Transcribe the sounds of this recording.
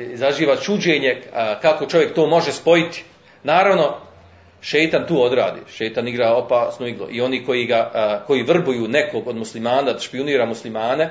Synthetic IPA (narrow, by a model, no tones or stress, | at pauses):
izaʒiːʋat͡ʃud͡ʑeːɲe̞kako̞t͡ʃo̞ʋje̞k̚t̪o̞ːmo̞ʒespo̞jit̪i̥ | naːɾaʋno̞ | ʃejt̪ant̪uːo̞d̪ɾa̰ːd̪ḭːʃejt̪aniɡɾaːo̞paːsnoiɡlˠo̰ʔio̞niːko̞jiɡako̞jiːʋr̩bujuːne̞koɡod̪muslimaːnad̪aʃpiuniːɾamuslimaːne̞